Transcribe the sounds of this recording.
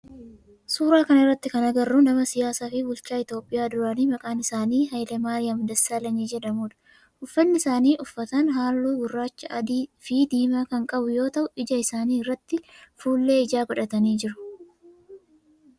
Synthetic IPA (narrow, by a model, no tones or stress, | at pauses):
suːɾaːkɐnɪrːɐt̪ːɪkɐnɐɡɐrːʊnɐmɐsɪjaːsaːfɪbʊlt͡ʃaːɪt̪jo̞ːpʼːɪjaːd̪ʊɾaniːmɐkʼaːnɪsaːniːɦɐjlɛmaːɾɪjɐmʊd̪ɐsːaːlɐniːd͡ʒɛᶑɐmuːᶑɐ̥ | ʔʊfːɐnːɪɪsaːniːʔʊfːɐt̪ɐnɦaːlːuːɡʊrːaːt͡ʃːɐʔɐd̪iːfiːd̪iːmaːkɐŋkʼɐbʊjo̞ːt̪ɐʔʊʔɪd͡ʒɐɪsaːniːɪrːɐt̪ːɪfuːlːe̞ːɪd͡ʒaːɡɔᶑɐt̪ɐniːd͡ʒɪɾʊ̥